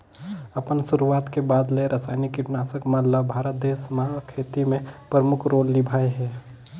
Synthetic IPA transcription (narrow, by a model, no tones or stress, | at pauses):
ɐpənsʊɾuaːt̪kebaːd̪leɾɐsaːnikiʈnaːsəkmãləbʱaːɾət̪̚d̪eːsmãkʰeːt̪imẽpɾəmʊkʰɾoːlːɪbʱaːeɦɛː